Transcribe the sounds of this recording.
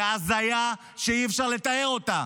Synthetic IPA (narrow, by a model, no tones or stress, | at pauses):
azaja | ʃejifʃaʁle̞t̪ajeʁo̞t̪a